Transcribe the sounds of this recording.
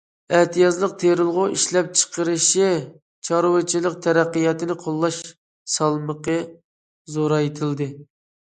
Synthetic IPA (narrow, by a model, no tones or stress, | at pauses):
ɛht̪ʰijɑzlˠəq̚t̪ʰeɾɨlˠʁʊʔiʃlɛp̚t͡ʃʰə̥qəɾɨʃɪ | t͡ʃʰɑɾwɨt͡ʃʰilˠəq̚t̪ʰɛɾæqːijɑt̪ɨnɪqʰolˠːɑʃ | sɑlˠməqə | zoɾɑjet̪ʰɪld̪ɨ